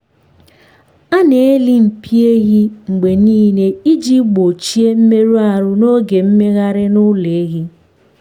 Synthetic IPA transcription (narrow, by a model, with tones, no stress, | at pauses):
a˦ne˨e˦li˦m̩˨pi˦e˦ɣi˦ŋ͡m̩˨ɡ͡be˨niː˦ne˦i˦d͡ʒi˦ɡ͡bo˨t͡ʃi˦e˦m̩˦me˦ɾu˦a˦˨ɾʊ˦no˦ɡe˨m̩˦me˦ɣa˦ɾɪ˦nʊ˦le˨˦ɣi˦